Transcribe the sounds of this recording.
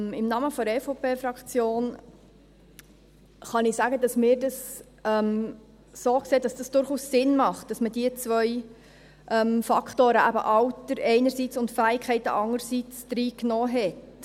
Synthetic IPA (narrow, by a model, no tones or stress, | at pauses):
ɪmnɑməfɔɛfopʰeːfɾɑkχt͡sjoːn | χɑnɪsæːɡədɑsmɪːɾdɑs | ɛm | soːkseːd̥ɑsd̥ɑsd̥ʊɾχuːsːɪnmɑχt̚d̥ɑsmədiət͡sʋœʏ | ʔɛmfɑkχtoːɾəʔæbə̰ʔɑwtəɾɛɪnəɾsit͡sʊntfæːɪkʰχɛɪtə̰ʔɑŋəɾsit͡sd̥ɾiːknɔːɦɛt